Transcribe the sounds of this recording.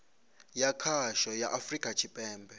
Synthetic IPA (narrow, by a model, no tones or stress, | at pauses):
jakʰaʃɔjaʔafrikʼat͡ʃʰipʼɛːmbʱɛ